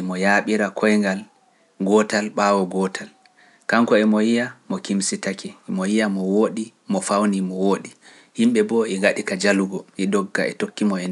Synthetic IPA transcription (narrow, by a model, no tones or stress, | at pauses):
ʔimɔjaɓiɾakʰɔjŋɡal | ɡɔtalɓaːwɔɡɔtʰal | kaŋkɔɛmɔjijamɔkimsitakɛmɔjijamɔwoːɗi | mɔfawnimɔwoːɗi | himɓɛbɔɛɡaɗikad͡ʒaluɡɔʔɛdɔɡːa̰ɛ̰tokːimɔɛn